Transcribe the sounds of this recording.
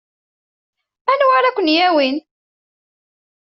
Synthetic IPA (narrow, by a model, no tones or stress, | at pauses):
ænwaɾækʷənjæwin